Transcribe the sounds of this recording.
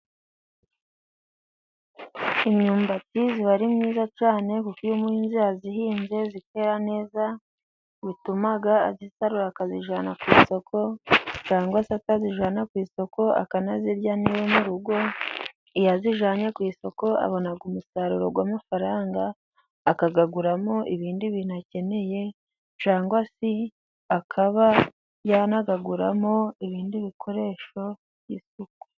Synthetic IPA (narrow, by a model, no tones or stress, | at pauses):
imɲuːmbatiziβaɾimŋiːzat͡ʃaːne̞kukujumuhinziazihiːnze̞zike̞ɾane̞ːza | βitumaɡa̰ːzisaɾuɾakaziʒanakwiːso̞kʰo̞t͡ʃaːŋɡwasataziʒanakwiːso̞ko̞a̰kanaziɾjaniwomuɾuɡo̞ | ijaziʒaːɲakwiːso̞ko̞a̰βo̞naɡumusaɾuɾo̞̰ɡwaːmafaɾaːŋɡaː | kaɡaɡuɾamo̞ʔiβiːndiβiːnuace̞ne̞je̞ | t͡ʃaːŋɡwasi | akʰaβa | janaɡaɡuɾa̰mo̞iβiːndiβikʰo̞ɾe̞ːʃo̞ | βjisuku̥